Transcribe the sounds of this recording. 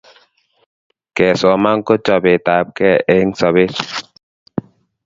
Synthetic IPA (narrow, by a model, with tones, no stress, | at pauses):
kɛ˨sɔ˨ma˦ŋ˦ko˦t͡ʃɔ˨be˨ta˨p̚kɛ˦˨e˦ŋsɔ˨be˦s